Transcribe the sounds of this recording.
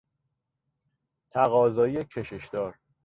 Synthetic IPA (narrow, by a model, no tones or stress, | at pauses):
t̪ʰæɣɒːzɒːiecʰe̞ʃeʃd̪̥ɒːɾ